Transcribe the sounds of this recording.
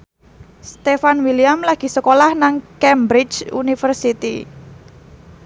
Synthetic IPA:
st̪efanwiliamlaɡ̥i̤səkolahnaŋkɛmbɾit͡ʃṵnifərsit̪ḭ

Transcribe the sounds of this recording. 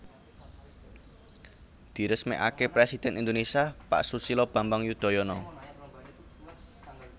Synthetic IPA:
d̪̥i̤ɾəsmɛ̰ʔa̰kepɾɛsid̪̥ɛ̤nind̪onesiapa̰ʔsusilɔb̥a̤mbaŋjud̪̥ɔ̤jɔnɔ

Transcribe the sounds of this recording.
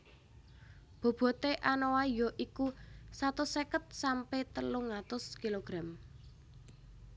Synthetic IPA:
b̥o̤b̥ɔ̤t̪eʔanowajɔʔikusat̪ʊsekət̪̚sampet̪əluŋat̪ʊskiloɡ̥ɾam

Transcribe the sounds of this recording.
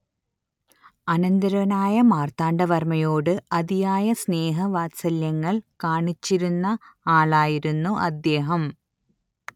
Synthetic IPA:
ɐnɐnd̪ɐɾɐnaːjɐmaːrt̪aːɳɖɐʋɐrmɐjoːɽɨɐd̪ijaːjɐsne̞ːɦɐʋaːtsɐljɐŋːɐɭkaːɳit͡ɕːiɾunːɐaːɭaːjiɾunːuʔɐd̪ːe̞ːɦɐm

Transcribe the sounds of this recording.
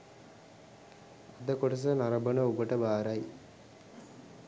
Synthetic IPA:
ad̪əkoʈɐs̬ənaɾɐbənəobəʈəbaːɾaj

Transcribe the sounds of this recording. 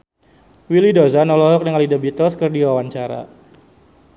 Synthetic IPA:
wilidozanɔlɔɦɔk̚nəŋalidəbit̪əlskərdiwawaɲt͡ʃaɾa̰

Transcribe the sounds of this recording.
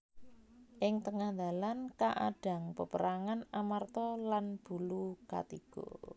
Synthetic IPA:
ʔɪŋt̪əŋahnd̪a̤lankaʔa̰ɖ̥a̤ŋpəpəɾaŋanamart̪ɔlanb̥uluka̰t̪iɡ̥o̰

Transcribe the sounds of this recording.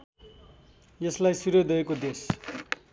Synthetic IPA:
jʌslajsuɾʌd̪ʌekod̪es

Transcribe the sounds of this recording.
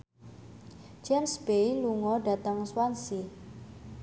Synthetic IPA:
d͡ʒɛmsb̥ejluŋɔɖa̤t̪əŋswansi

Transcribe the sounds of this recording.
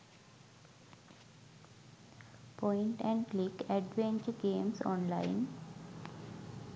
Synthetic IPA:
pɔ̃ɪ̃ɳʈɛ̃ɳɖklikɛɖʋẽnt͡ʃəɾɡẽːmsɔ̰̃ːnla̰ɪn

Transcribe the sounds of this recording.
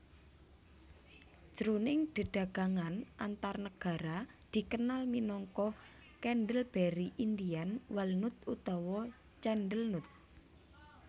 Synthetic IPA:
ʒ̥ɾunɪŋɖ̪̥ə̤ɖ̥a̤ɡ̥a̤ŋanʔant̪arnəɡ̥a̤ɾad̪̥i̤kənalminɔŋkɔ | kɛnɖəlb̥eɾiʔind̪ianwalnʊt̪̚ut̪ɔwɔ | t͡ʃɛnɖəlnʊt̪̚

